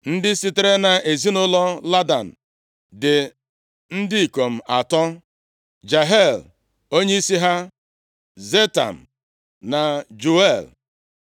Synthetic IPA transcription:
n̩˦dɪ˦si˦te˦ɾe˦na˨e˨zi˦nʊ˦lɔ˦la˦da̰˨n̩˨ | dɪ˨ | n̩˦dɪ˦i˨ko˨m̩˨a˨tɔ˦ | d͡ʒa˨ɦe˦˨l | o˦ɲe˦i˦si˦ɦa˦ | ze˦ta̰˨m̩˨ | na˨d͡ʒu˨e˦˨l

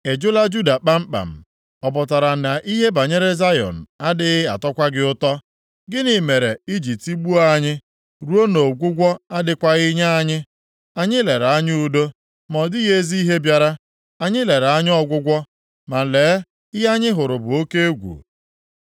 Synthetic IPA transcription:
e˨d͡ʒʊ˦la˦d͡ʒu˦da˨k͡pa˦m̩˦k͡pa̰˨m̩˨ | ɔ˨pʊ˨ta˨ɾa˨na˨ʔi˦ɦe˦ba˨ɲe˦ɾe˦za˦jɔ̰˨n̩˨a˦dɪ˦ɣɪ˦a̰˨tɔ˦kʷa˦ɡɪ˦ʊ˦tɔ˦ | ɡɪ˦ni˨me˨ɾe˨i˦d͡ʒi˨pti˦ɡ͡bu˦a˦ɲɪ˦ | ɾu˦o˦no˨ɡʷʊ˦ɡʷɔ˦a˦dɪ˦kʷa˦ɣɪ˦ɲa˦a˦ɲɪ˦ | a˨ɲɪ˦le˨ɾa˦ɲɪ˦u˦do˦ | mɔ˨dɪ˦ɣe˦zi˦i˦ɦe˦bja˦ɾa˦ | a˨ɲɪ˦le˨ɾa˦ɲ˦ɔ˦ɡʷʊ˦ɡʷɔ˦ | ma˨le˨˦ | ɪ˦a˦ɲɪ˦ɦʊ˨ɾʊ˨bʊ˨o˦ke˦e˦ɡʷṵ˨

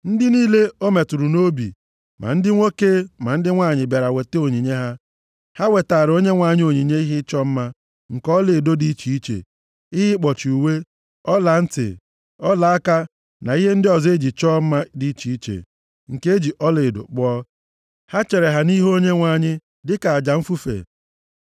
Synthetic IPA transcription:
n̩˦dɪ˦niː˦le˦o˦me˨tu˨ɾu˨no˦bḭ˨ | mʔa̰˨n̩˦dɪ˦ŋʷo˦ke˦ma˨n̩˦dɪ˦ŋʷa˦˨ɲɪ˨be˨ɾa˨we˨te˦o˨ɲi˨ɲe˦ɦa˦ | ha˦we˨ta˨ɾo˦ɲe˦ŋʷa˨ɲɪ˦o˨ɲi˨ɲe˦i˦ɦɪ˦t͡ʃɔ˦m̩˦ma˦ | ŋ̩˨kɔ˦le˨do˦di˦t͡ʃi˨i˦t͡ʃḛ˨ | i˦ɦɪ˦k͡pɔ˨t͡ʃu˨we˦ | ɔ˦la˨n̩˦tɪ̰˨ | ɔ˦la˨a˦ka˦ | na˨i˦ɦe˦n̩˦dɪ˦ɔ˨ze˦d͡ʒi˨t͡ʃɔ˦m̩˦ma˦di˦t͡ʃi˨i˦t͡ʃḛ˨ | ŋ̩˨ke˦e˦d͡ʒi˨ʔɔ˦le˨do̰˨k͡pɔ˦ | ha˦t͡ʃe˨ɾe˨ɦa˨ni˦ɦo˦ɲe˦ŋʷa˨ɲɪ˦ | dɪ˦ka˨a˨d͡ʒa˨m̩˦fu˦fḛ˨

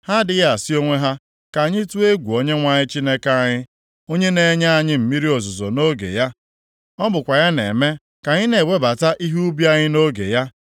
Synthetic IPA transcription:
ha˦dɪ˦ja˦˨a˨si˦o˦ŋʷe˦ɦa˦ | ka˨ɲɪ˦tu˦e˦ɡʷu˨o˦ɲe˦ŋʷa˨ɲɪ˦t͡ʃi˦ne˦ka˦a˦˨ɲɪ˦ | o˦ɲe˦ne˦ɲa˦a˨ɲɪ˦m̩˨mi˦ɾi˦o˨zʊ˨zo˨no˦ɡḛ˨ja˦ | ɔ˦bʊ˨kʷa˨ja˦nḛ˨me˦ | ka˨ɲɪ˦ne˨we˦ba˨ta˦ʔi˦ɦu˦bi˦a˦ɲɪ˦no˦ɡḛ˨ja˦

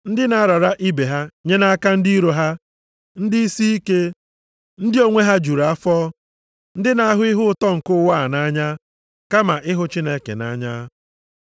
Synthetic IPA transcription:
n̩˦dɪ˦na˨a˦ɾa˨ɾa˦ʔi˦be˨ɦa˦ɲe˦na˦a˦ka˦n̩˦di˦ɾo˨ɦa˦ | n̩˦dɪ˦i˦si˦i˦ke˦ | n̩˦dɪ˦o˦ŋʷe˦ɦa˦d͡ʒu˨ɾa˦fɔ˦ | n̩˦dɪ˦na˨a˦ɦʊ˦ɪ˦ɦʊ˦ʊ˦tɔ˦ŋ̩˨kʊ˦wa˦˨a˨na˦ɲa˦ | ka˦ma˨ʔɪ˦ɦʊ˦t͡ʃi˦ne˦kḛ˨na̰˦ɲa˦

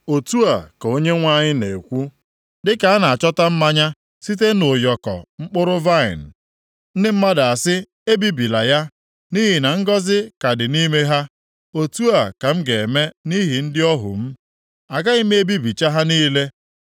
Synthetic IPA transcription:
o˨tu˦a˨ka˨o˦ɲe˦ŋʷa˦ɲɪ˦ne˨kʷu˦ | dɪ˦ka˨a˦na˨a˨t͡ʃɔ˦ta˦m̩˦ma˦ɲa˦ | si˦t̬e˦nʊ˨jɔ˨kɔ̰˨ŋ͡m̩˦k͡pʊ˦ɾʊ˦va˦ɪ̰˨n̩˨ | n̩˦dɪ˦m̩˦ma˦da˨a˨sɪ˦ | e˦bi˦bi˨la˨ja˦ | ni˦ɦi˨na˨ŋ̩˦ɡɔ˦zɪ˦ka˨dɪ˨ni˦me˦ɦa˦ | o˨tu˦a˨ka˨m̩˦ɡe˨e˨me˦ni˦ɦi˨n̩˦dɪ˦ɔ˦ɦʊ̰˨m̩˦ | a˨ɡa˦ɪ˦m˦e˦bi˦bi˨t͡ʃa˦ɦa˦niː˦le˦

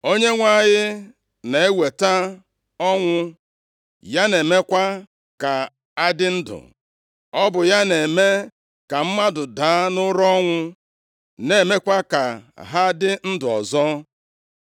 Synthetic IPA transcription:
o˦ɲe˦ŋʷa˦˨ɣɪ˦ | ne˨e˦we˨ta˦ | ɔ˦ŋʷʊ˦ | ja˦ne˨me˦kʷa˦ | ka˨ | a˦dɪ˦n̩˦dʊ̰˨ | ɔ˦bʊ˨ja˦ne˨me˦ | ka˨m̩˦ma˦dʊ˨daː˨˦nʊ˦ɾɔ˦ŋʷʊ˦ | ne˨me˦kʷa˦ka˨ɦa˦dɪ˦n̩˦dʊ˨ɔ̰˨zɔ˦

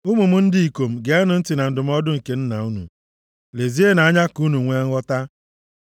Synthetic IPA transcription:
u˦mu˨mʊ˦n̩˦dɪ˦i˨ko˨m̩˨ɡe˨˦a˦nʊ˨n̩˦tɪ˨na˨n̩˨dʊ˨m̩˦ɔ˦dʊ˦ŋ̩˨ke˨˦n̩˦na̰˨u˦nṵ˨ | le˨zi˦e˦na˨a˦ɲa˦ku˦nu˨ŋʷe˦ɔ˦ta˦

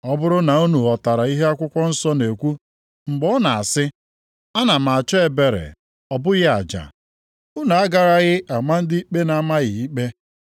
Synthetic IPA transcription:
ɔ˦bʊ˦ɾʊ˦na˨u˦nu˨ɔ˨ta˨ɾa˨i˦ɦe˦a˦kʷʊ˦kʷɔ˦n̩˦sɔ˦ne˨kʷu˦ | ŋ͡m̩˨ɡ͡bɔ˦na˨a˨sɪ˦ | a˦na˨m̩˨a˨t͡ʃɔ˦e˨be˨ɾḛ˨ | ɔ˨bʊ˦ɣɪ˦a˨d͡ʒa̰˨ | ʊ˦na˨a˦ɡa˨ɾa˦ɣɪ˦ʔa˨ma˦n̩˦dɪ˦i˦k͡pe˦na˨˦ma˦ɣɪ˨i˦k͡pe˦

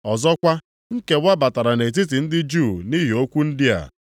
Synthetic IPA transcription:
ɔ˨zɔ˦kʷa˦ | ŋ̩˦ke˨wa˦ba˨ta˨ɾa˨ne˨t̬i˦t̬i˨n̩˦dɪ˦d͡ʒu˦˨ni˦ɦi˨o˦kʷu˦n̩˦dɪ˦a̰˨

